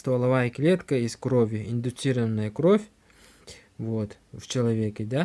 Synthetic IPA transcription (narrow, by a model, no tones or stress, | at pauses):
st̪ɐlˠɐvaɪklʲet̪kəiskɾovʲʊɪnd̪ʊt̪siɾəvənːəjəkɾofʲ | vot̪ | v̥t͡ɕɪlˠɐvʲekʲɪd̪a